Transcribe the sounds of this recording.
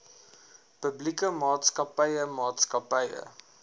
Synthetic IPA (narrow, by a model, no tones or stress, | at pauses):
pəblikəmɑːtskɐpɐjəmɑːtskɐpɐjə̰